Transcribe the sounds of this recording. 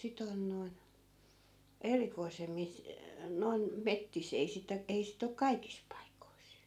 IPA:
sit on noi̯n erikoisemːis noi̯n metːis ei sitæ ei sit ok kɑikis pɑikois

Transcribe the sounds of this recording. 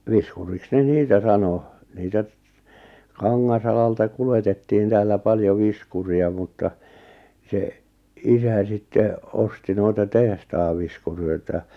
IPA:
ʋiskuriks ne niːtæ sɑno niːtæ kɑŋːɑsɑlɑltɑ kuletetːiːn tæːlːæ pɑljo ʋiskuriɑ mutːɑ se isæ sitːe osti noitɑ tehtɑːʋ ʋiskurøitæ

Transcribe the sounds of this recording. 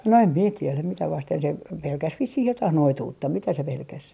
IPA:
no em mie tielæm mitæ ʋɑsten se pelkæs ʋisːih jotɑh noituːtːɑ mitæ se pelkæs

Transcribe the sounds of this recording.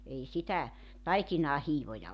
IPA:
ei sitæ tɑikinɑː hiːʋojɑ

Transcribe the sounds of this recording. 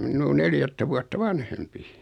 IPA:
minˑuː neljætːæ ʋuɑtːɑ ʋɑnhempi

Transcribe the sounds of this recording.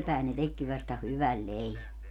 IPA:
pæˑen ne tekːi ʋɑstɑ hyʋæl leiʋæ

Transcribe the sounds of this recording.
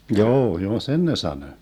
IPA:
njoː joː sen ne sɑnø

